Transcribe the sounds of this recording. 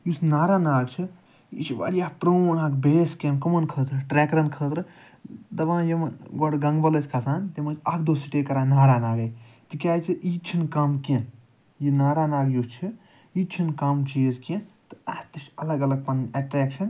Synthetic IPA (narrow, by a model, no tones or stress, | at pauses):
jusnaːɾaːnaːɡt͡ʃʰi | ḭt͡ʃʰiʋa̰ɾjaːpɾoːnaːkbeːskẽnkɐmɐnkʰəːt̪ɾɨʈɾɛːkɾɐnkʰəːt̪ɾɨ | d̪ɐʋãːjimɡɐɽɡɐŋɡbɐlɐt͡ʃʰʲkʰɐsaːnt̪imɐt͡ʃʰɐkʰd̪oːsiʈeːkɐɾãːnaːɾaːnaːɡet̪ɨkʲjaːjt͡ʃʰiʔiːt͡ʃʰinkɐmkẽ | jinaːɾaːnaːɡjust͡ʃʰi | it͡ʃʰinkɐmt͡ʃizkẽt̪ɨɐt̪ɨʃɐlɐɡɐlɐɡ̚pɐnɐʈɾɛːkʃɐn